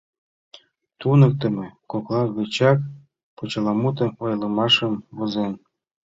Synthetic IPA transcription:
t̪unɤ̆k̚t̪ɤ̆mĕkoklˠɑɣɤ̆t͡ɕɑk̚ | pot͡ɕɤ̆lɑmut̪ɤ̆ojlɤ̆mɑʃə̆mβozen

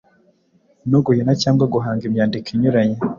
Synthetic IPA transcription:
noɡuhinacaːŋɡwaɡuɦaːŋɡimɲaːndikʰiɲuɾaɲe

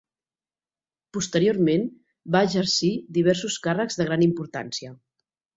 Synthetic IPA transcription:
pust̪əɾioɾmen | baəʒəɾsid̪iβ̞ɛɾsuskarəɡzðəɣ̞ɾanimpuɾt̪a̰nsiə

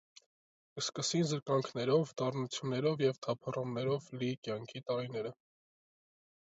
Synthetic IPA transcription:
əskəsinzəɾkɑŋkʰnɛɾɔvd̪ɑrnut͡sʰjunːɛɾɔvjɛvt̪ʰɑpʰərumnɛɾɔvlikjɑŋkʰit̪ɑɾin̪ɛɾə

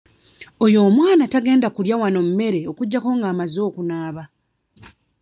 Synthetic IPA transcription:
ojo̞ːmwaːnataɡe̞ːndakuljawano̞mume̞ɾe̞o̞kuɟːako̞ŋɡaːmazo̞ːkunaːβa

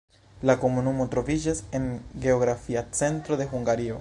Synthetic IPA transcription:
lako̞munumotɾo̞vid͡ʒase̞nɡe̞oɡɾafiat͡se̞ntɾo̞d̪e̞ɦuŋɡaɾio̞

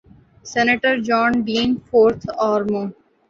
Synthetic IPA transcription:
sɛneʈəɾd͡ʒɔ̃ːnɖiːnfoːɾt̪ʰaːɾmoː

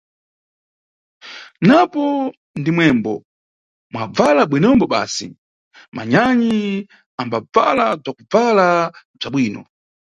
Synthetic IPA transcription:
napɔ | ndimwɛmbɔ | mwab͡valaɓwinɔmbɔɓa̰ːsḭ | mʔa̰ɲaɲi | ambab͡va̰lab͡ʐakub͡vala | b͡ʐaɓwiːnɔ

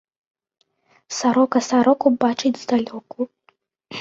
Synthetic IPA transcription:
saɾokasaɾokʷʰʼubaʈ͡ʂʰʼejtzd̪alʲokʼu

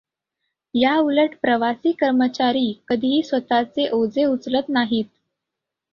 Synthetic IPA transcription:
jauləʈpɾəʋasiːkəɾmət͡ɕaɾiːkəd̪ʱiɦiːsʋət̪at͡seʔod͡zeut͡slət̪naɦiːt̪̚

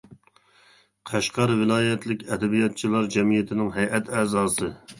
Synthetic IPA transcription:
qʰæʃqɑɾvɪlˠɑːjɛt̪ʰlɪkʲɛd̪ɛbijɑt̪̚t͡ʃʰilˠɑɾd͡ʒɛmijɪt̪ʰɪnɪŋɦɛjʔɛt̪ʰɛːzɑːsɨ

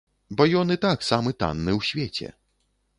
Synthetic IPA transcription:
bɔjɔnɨt̪aksamɨt̪a̰nːɨwsʲvʲet͡sʲɛ̰

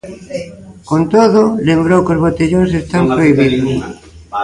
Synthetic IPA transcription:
kont̪oðʊlembɾowkozβot̪eʎoŋsest̪ampɾoiβiðʊs

